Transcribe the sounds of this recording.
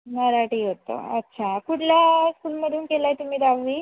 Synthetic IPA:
nəɾaʈiːɦot̪ə̰ətːɕʰakuʈʰljaskuːlməd̪ʱuːnkelaet̪um̤iːɾaʋʋiː

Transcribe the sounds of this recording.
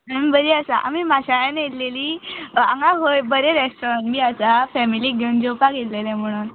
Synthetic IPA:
əmibəɾiːəsaʔa̰mimaɕajanet̪leliːãŋɡaɦojbəɾẽɾesʈɔɾãɳmiəsafɛmiliːɡʱənd͡ʑopaɡet̪lelɛ̃m̤əɽ̃uːn

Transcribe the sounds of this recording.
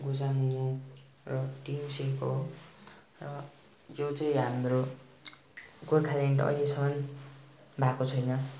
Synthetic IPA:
ɡud͡zamuu | rʌʈimsekoɦ | rʌ | jot͡sʌĩɦamro | ɡorkʰaleɳʈʌ̰jlesʌmʌn | bʱakot͡sʰʌjnʌ

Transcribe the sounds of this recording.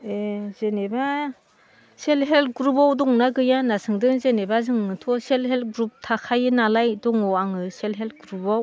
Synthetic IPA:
ezeneba | selɦelt̚ɡɾubawdɔŋnaɡɯjanasɯŋdɯŋzenebazɯŋɯtʰɔselhelt̚ɡɾup̚tʰakʰajɯnalajdɔŋɔwaŋɯselɦelt̚ɡɾubaw

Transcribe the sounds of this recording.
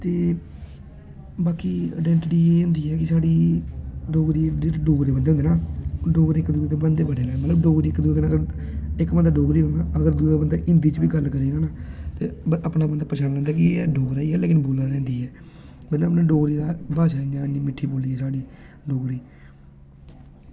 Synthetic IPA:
t̪eː | baːkiːa̰ːɖɛːɳʈʈiːẽːnd̪iːɛːkɪsaːɽiː | ɖoːɡɾiːd͡ʒeːʈːɖoːɡɾeːbənd̪eːõnd̪eːnaːɖoːɡɾeːkd̪uːeːt̪ebənd̪eːbəɽeːlɛːmət̪ləbɖoːɡɾiːɪkːd̪uːiːnːəɡəɾɪkbənd̪aːɖoːɡɾiːõnaːəɡəɾd̪uːd̪aːbənd̪aːʔɪ̃nd̪iːt͡ʃbiːɡəlːkəɾiːɡaːnaːt̪eːəpnaːbənd̪aːpɾʃaːnlɛ̃ːnd̪aːk̬ɪɖoːɡɾaːiːɛːleːkɪnboːlãːd̪ɛ̃ːnd̪iːɦɛː | mət̪ləbəpnãːɖoːɡɾiːd̪aːbaːʃaːiaːniːmɪʈʰːiːboːliːɛːsaːɖiː | ɖoːɡɾiː

